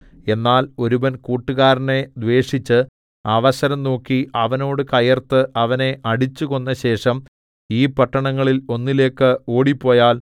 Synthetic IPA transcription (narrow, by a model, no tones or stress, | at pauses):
e̞nːaːlo̞ɾubɐnkuːʈːuɣaːɾne̞d̪ʋe̞ːʂit͡ɕːɨ | ɐʋɐsɐɾɐmno̞ːkːiɐʋɐno̞ːɽɨkɐjɐrt̪ɨʔɐʋɐne̞ʔɐɽit͡ɕːuɣo̞nːɐɕe̞ːʂɐm | iːpɐʈːɐɳɐŋːɐɭilo̞nːile̞ːkːɨo̞ːɽipːo̞ːjaːl